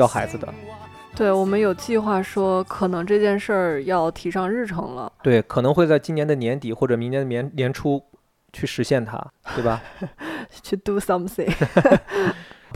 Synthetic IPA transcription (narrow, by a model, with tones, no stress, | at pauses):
jɑ˥˩ʊxa˧˥ɪd͡zɹ̩˧d̪ə̰˩ | t̪we˥˩ɪwɔ˨˩mə˦njo˨˩ʊt͡ɕi˥˧xwa˥˩ʂwɔ˥kʰɤ˨˩nɤ˧˥ŋʈ͡ʂɤ˥˧t͡ɕjɛ˥˧nʂə˥˩jɑ˥˩ʊt̪ʰi˧˥ʂɑ˥˧ŋɻɻ̩˥˩ʈ͡ʂʰɤ̰˧˥ŋlə̰˧t̪we˥˩ɪkʰɤ˨˩nɤ˧˥ŋxwe˥˧ɪt͡sa˥˩ɪt͡ɕi˥njɛ˧˥nd̪ə˧njɛ˧˥nt̪i˨˩xwɔ˥˩ʈ͡ʂɤ˨˩mi˧˥ŋnjɛ˧˥nd̪ə˧njɛ˧˥nnjɛ˧˥nʈ͡ʂʰu˥ | t͡ɕʰy˥˩ʂɻ̩˧˥ɕjɛ˥˩nt̪ʰa̰˥t̪we˥˩ɪbɐ˩ | t͡ɕʰy˥˩t̪u˥sa˥msi˧˥ŋ